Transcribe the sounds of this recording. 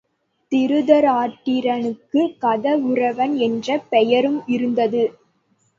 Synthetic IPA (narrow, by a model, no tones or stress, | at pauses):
t̪ɪɾɯðɐɾaːʈːɪɾɐnɯkːɯkɐðɐɯrɐʋɐnɛndrɐpɛjɐɾɯmɪɾɯnd̪ɐðɯ